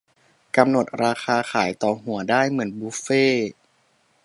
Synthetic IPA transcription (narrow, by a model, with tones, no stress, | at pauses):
ka˧mno˨˩t̪̚ɾaː˧xʰaː˧xʰaː˩˦jt̪ɔː˨˩ɦu˩˦ɐdaː˥˩jmɯ˩˦ənbuː˦˥feː˥˩